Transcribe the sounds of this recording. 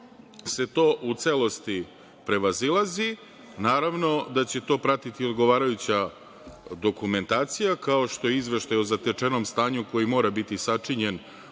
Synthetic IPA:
se̞t̪o̞ːʔut̪selo̞st̪i | pɾe̞ʋazilˠazi | naːɾaʋno̞d̪at͡ɕe̞t̪o̞ːpɾat̪it̪io̞d̪ɡo̞ʋaːɾajut͡ɕa | d̪o̞kume̞nt̪aːt̪sijakao̞ʃt̪o̞jeizʋe̞ʃt̪ajozat̪et͡ʂeno̞mst̪aːɲuko̞jimo̞ːɾabit̪isat͡ʂiɲe̞n

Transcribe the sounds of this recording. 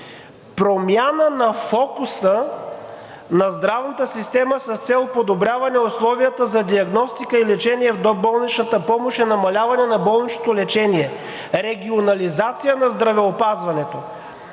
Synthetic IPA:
pɾomjanənɐfɔkusə | nɐzd̪ɾavnət̪əsist̪ɛməsɐst̪sɛlˠpod̪obɾʲjavɐnɛoslˠɔvijət̪əzɐd̪iɐɡnɔst̪ikəilɛt͡ʃɛniɛvd̪ɔbɔlˠnit͡ʃnət̪əpɔmoʃɛnɐmɐlʲavɐnɛnɐbɔlˠnit͡ʃnot̪olɛt͡ʃɛniɛ | ɾɛɡʲionɐlizat̪sijənɐzd̪ɾɐvɛopazvɐnɛt̪o

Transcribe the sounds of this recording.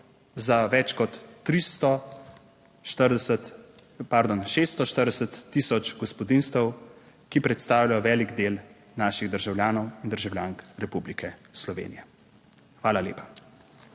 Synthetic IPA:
zaʋɛt͡ʃkɔt̪ːɾist̪ɔ | ʃəət̪paɾd̪onʃeːst̪ɔʃt̪əɾd̪ɛsət̪ːisɔt͡ʃɡɔspɔd̪inst̪əw | kipɾɛt̪st̪aːwlʲajɔʋɛːliɡd̪eːl | naːʃiɣd̪əɾʒawljaːnɔwind̪əɾʒawlʲjaːŋkɾɛpublikʰɛslɔʋḛːnijɛ | xʋaːlalʲḛːpḁ

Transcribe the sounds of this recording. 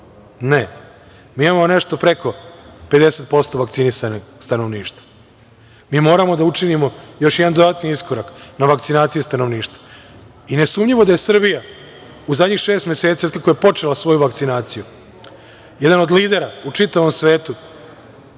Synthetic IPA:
ne | miːimamoone̞ʃt̪o̞pɾe̞ko̞ped̪e̞set̪̚po̞st̪o̞ʋakt̪sinisanest̪anoʋniːʃt̪ḁ | miːmo̞ːɾamo̞d̪aut͡ʂinimo̞jo̞ʃjɛd̪and̪od̪at̪niiskoɾaknaʋakt̪sinaːt̪sijist̪ano̞ʋniːʃt̪vḁ | ine̞suːmɲʎiʋod̪aje̞sr̩bija | uzad̪ɲixʃeːst̪mjeset̪sijokakojepo̞t͡ʂelasʋo̞juʋakt̪sinaːt̪siju | jed̪ano̞d̪liːd̪e̞ɾaut͡ʂit̪aʋo̞msʋeːt̪u

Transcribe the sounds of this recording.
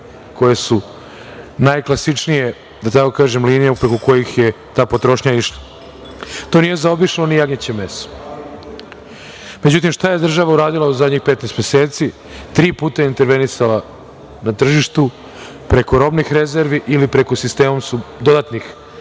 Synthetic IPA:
ko̞jesu | najklˠasit͡ʃnije̞ | d̪at̪ako̞kaːʒemliːnijaupɾekoko̞jixje̞ | t̪aːpo̞t̪ɾo̞ʃɲaiʃla | t̪onije̞zaobiʃllonijaɡɲat͡ɕemeso̥ | med͡ʑut̪̬imʃt̪aje̞d̪r̩ʒaʋauɾaːd̪ilauzad̪ɲixpe̞t̪nest̪mjeseːt̪si | t̪ɾiːpuːt̪ajeint̪e̞ɾʋe̞nisala | nat̪r̩ʒiʃt̪u | pɾe̞ko̞ɾo̞bnixɾe̞ze̞ɾʋiʔilipɾe̞kosist̪e̞ːmomsud̪o̞d̪at̪nix

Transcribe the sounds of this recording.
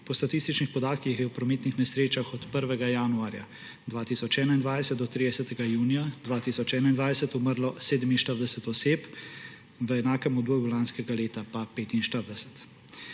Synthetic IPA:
pɔst̪at̪ist̪it͡ʃnixpɔd̪aːt̪kixjɛwpɾɔmeːt̪nixnɛsɾeːt͡ʃaxɔt̪pəɾʋɛɡajaːnuaːɾja̰ | d̪ʋaːt̪iːsɔt͡ʃɛːnaind̪ʋaːjd̪ɛsɛt̪d̪ɔt̪ɾid̪ɛsɛt̪ɛɡajuːnijad̪ʋaːt̪iːsɔt͡ʃɛːnaind̪ʋajɛsɛt̪uməɾlɔseːd̪ɛminʃt̪əɾd̪ɛsɛt̪ɔseːp | ʋəɛnaːkɛmɔd̪boːjulanskɛɡaleːt̪apapeːt̪inʃt̪əɾd̪ɛsɛ̥t̪

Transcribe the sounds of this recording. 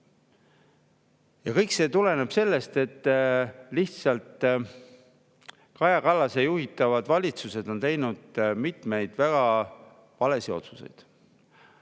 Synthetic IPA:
jɑkɤjkse̞ːt̪ule̞neb̥se̞lːe̞st̪e̞t̪ː | liht̪sɑlt̪ˑ | kɑjɑkɑlːɑsejuhit̪ːˑɑvɑd̪̥vɑlʲit̪suse̞d̪̥o̞nt̪e̞jnud̪̥mit̪me̞jd̪̥væɡ̥ɑ | vɑle̞sio̞̰t̪su̥se̞̰jd̪̥

